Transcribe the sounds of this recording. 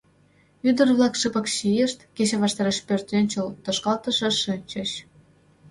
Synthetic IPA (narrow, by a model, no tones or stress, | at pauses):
yd̪ə̆rβlɑkʃɨpə̆kɕijeʃt̪ket͡ɕeβɑʃt̪ɑɾeʃpørt̪enʲt͡ɕəlt̪ŏʃkɑlt̪ə̆ʃə̆ʃɨnʲt͡ɕə̆ɕ